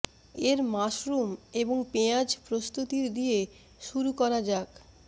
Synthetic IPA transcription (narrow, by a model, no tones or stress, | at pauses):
eɾmaʃɾumeboŋpead͡ʑpɾost̪ut̪iɾd̪ie | ʃuɾukɔɾad͡ʑak